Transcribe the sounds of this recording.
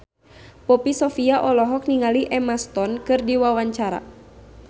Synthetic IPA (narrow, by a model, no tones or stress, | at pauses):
pɔpisɔfiaʔɔlɔɦɔk̚niŋaliʔɛmast̪ɔnkɨrdiwawaɲt͡ʃaɾa̰